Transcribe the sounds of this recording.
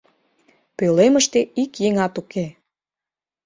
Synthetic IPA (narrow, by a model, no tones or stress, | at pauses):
pøleməʃt̪eikjeŋɑt̪uke